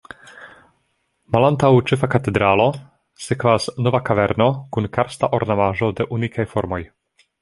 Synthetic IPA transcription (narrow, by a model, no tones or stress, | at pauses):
malant̪awt͡ʃefakat̪e̞d̪ɾalo̞ | sekvasno̞vakaveɾno̞kunkaɾst̪aʔoɾnamaʒo̞de̞ʔunikʰajfo̞ɾmo̞j